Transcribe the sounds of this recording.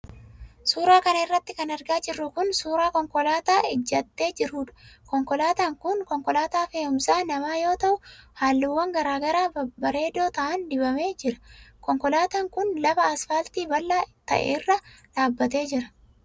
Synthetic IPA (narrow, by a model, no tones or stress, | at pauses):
suːɾaːkɐnɐɪrːɐt̪ːɪkɐnɐɾɡaːd͡ʒɪrːʊkʊnsuːɾaːkɔŋkɔlaːt̪aːɪd͡ʒːɐt̪ːe̞ːd͡ʒɪɾuːᶑɐ̥kɔŋkɔlaːt̪aːŋkʊnkɔŋkɔlaːt̪aːfe̞ːhʊmsaːnɐmaːjo̞ːt̪ɐʔʊhaːlːɪwːɐŋɡɐɾaːɡɐɾaːbɐɾe̞ːd̪o̞ːt̪ɐʔɐnd̪ɪbɐme̞ːd͡ʒɪɾɐ̥kɔŋkɔlaːt̪aːŋkʊnlɐbɐːsfaːlt̪iːbɐlːaːt̪ɐ̰ʔḛːɪrːɐᶑaːbːɐt̪e̞ːd͡ʒɪɾɐ̥